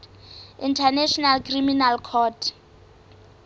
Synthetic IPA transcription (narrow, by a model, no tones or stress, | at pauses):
intʰanɛʃɔnalkʰriminalkʰɔtʰ